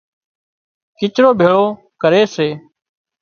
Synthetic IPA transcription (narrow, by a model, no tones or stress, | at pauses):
kɪt͡ʃɾoːbʱeːɭoː | kəɾeːseː